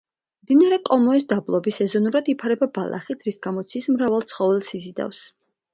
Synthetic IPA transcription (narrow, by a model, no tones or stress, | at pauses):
md̪inaɾɛkʼɔmɔis̬d̪ablˠɔbisɛzɔnuɾad̪ipʰaɾɛbabalˠʔa̰χit̪ʰɾisɡ̥amɔt̪sʰismɾavalˠt̪sʰχɔvɛlˠsizid̪a̰fs